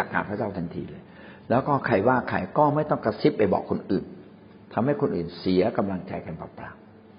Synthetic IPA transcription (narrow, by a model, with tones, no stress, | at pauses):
a˨˩k̚ːaː˨˩npʰa˥˩t͡ɕa˥˩wt̪ʰa˧nt̪ʰḭː˧lɤː˧j | lɛː˦˥wkɔː˥˩kʰa˧jwaː˥˩kʰa˧jkɔː˥˩ma˥˩jt̪ɔ˥˩ŋka˧si˦˥p̚ːa˧jbɔ̰ː˨˩kʰːo˧nʔɯː˨˩n | t̪ʰa˧mha˥˩jkʰo˧nʔɯ̰ː˨˩nsi˨˩˦ɐka˧mla˧ŋt͡ɕa˧jka˧npɔ̰ː˨˩t̪aː˧˩m